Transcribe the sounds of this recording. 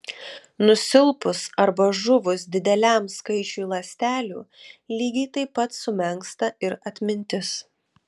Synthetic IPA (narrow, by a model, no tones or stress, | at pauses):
nʊsʲɪlˠpʊsɐɾbɐʒʊʋʊs̬d̪ʲɪd̪ʲɛlʲæˑmskɐɪt͡ʃʲuːlˠɐsʲt̪ʲæːlʲuːlʲiːɡʲɛɪt̪ɐɪpːɐt̪sʊmʲɛŋkst̪ɐɪɾɐt̪ʲmʲɪnʲt̪ʲɪs